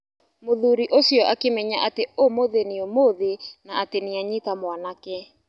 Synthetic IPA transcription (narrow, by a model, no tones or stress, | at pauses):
moðuɾiʔosjɔʔakemɛɲaʔateomoðeneomoðenaateniaɲikamwanakɛ